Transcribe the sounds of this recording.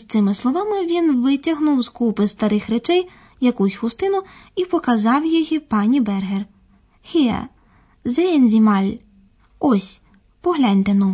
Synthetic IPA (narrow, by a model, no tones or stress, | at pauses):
t̪sɪmɪslˠɔʋɑmɪʋʲinʋɪtʲɐɦnuwzkupɪst̪ɐɾɪxɾet͡ʃɛj | jɐkusʲhʊst̪ɪnʊipɔkɐzɑwjiɦipɑnʲibɛrɦer | xɪɛ̰ | zeenʲzʲimɑlʲ | ɔsʲ | pɔɦlʲanʲt̪enʊ